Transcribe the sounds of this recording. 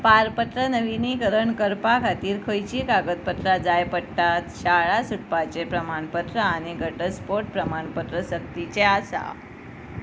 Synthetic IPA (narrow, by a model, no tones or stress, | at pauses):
paɾpət̪ɾənəʋinikəɾəɳkəɾpakʰat̪iːɾkʰəjt͡ɕiːkaɡət̪̚pət̪ɾad͡zajpəɽʈat̪ɕaɭasuʈpat͡ɕepɾəmaɳpət̪ɾəañiɡʱəʈəspoɾʈ̚pɾəmaɳpət̪ɾəsək̚t̪it͡ɕeasa̰